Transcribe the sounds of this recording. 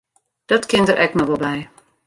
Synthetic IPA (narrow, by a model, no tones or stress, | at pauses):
d̥ɔtkɪntəɾʔɛknɔʋɔlˠbɛj